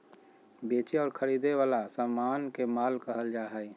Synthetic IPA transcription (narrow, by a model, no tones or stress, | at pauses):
beːt͡ʃeɔːɾkʰəɾiːd̪eʋaːlasamːaːnkemaːlkəɦəld͡ʒaːɦɛi